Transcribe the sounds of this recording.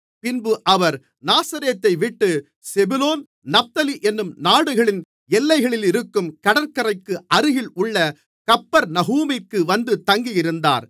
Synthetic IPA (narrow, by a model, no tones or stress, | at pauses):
pɪnbɯʔɐʋɐɾ | naːsɐɾeːt̪ːɐɪʋɪʈːɯ | sɛbɯloːn | nɐf̚t̪ɐliʔɛnːɯmnaːɽɯɣɐɭɪn | ɛlːɐɪɣɐɭɪlɪɾɯkːɯmkɐɽɐɾkɐɾɐɪkːɯʔɐɾɯɣɪlʊɭːɐ | kɐpːɐɾnɐɣuːmɪkːɯʋɐnd̪ɯt̪ɐŋɡijɪɾɯnd̪a̰ːɾ